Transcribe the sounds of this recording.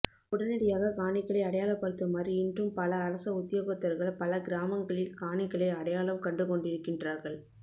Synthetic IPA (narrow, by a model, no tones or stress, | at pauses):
ʊɽɐnɪɽɐjaːɣɐkaːnɪkːɐɭɐɪɐɽɐjaːlɐpːɐɽɯt̪ːɐmaːdriɪndrɯmpɐlɐːɾɐsɐʊðjoɣot̪ːɐɾɣɐɭpɐlɐɡɪɾaːmɐŋɡɐɭɪlkaːɳɪkːɐɭɐɪɐɽɐjaːɭɐmkɐɳɖɯkɔɳɖɪɾɯkːɪndraːɾɣɐɭ